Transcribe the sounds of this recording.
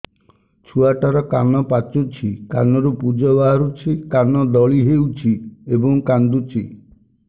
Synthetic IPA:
t͡ʃʰuaʈaɾɔkanɔpat͡ʃut͡ʃʰika̰nɔɾupud͡ʒɔbaɦaɾut͡ʃʰikanɔd̪ɔɭiɦewt͡ʃʰiebɔŋkand̪ut͡ʃʰi

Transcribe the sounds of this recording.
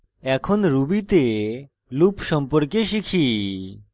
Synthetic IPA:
ɛkʰonɾubit̪e | lupʃɔmpoɾkeʃikʰi

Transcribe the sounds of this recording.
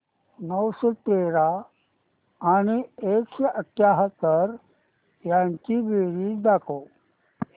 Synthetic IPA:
nəwsot̪eɾa | ñiekɕəʔəʈʰːjaɦət̪ːəɾ | jaɲt͡ɕibeɾiːd̪ako

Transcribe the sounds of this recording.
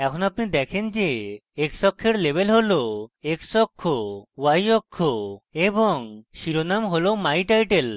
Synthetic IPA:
ɛkʰɔnapnid̪ɛkʰend͡ʒeeksɔkʰːeɾlebʱelɦoloeksɔkʰːowajɔkʰːoebɔŋʃiɾonamɦolomajʈajʈel

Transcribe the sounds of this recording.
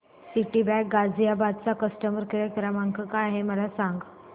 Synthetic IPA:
siʈibɛk̚ɡad͡zijabad̪̚t͡sakəsʈəməɾkəɾəkəɾamaŋkʰəkaːɦeməlasãŋɡ

